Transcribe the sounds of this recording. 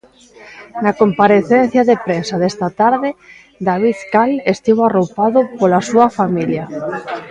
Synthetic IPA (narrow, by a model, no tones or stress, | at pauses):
nakompaɾeθen̟θjaðepɾensaðest̪at̪aɾðɪ | d̪aβ̞iðkalest̪iwarowpaðʊpolasuɐfamiljɐ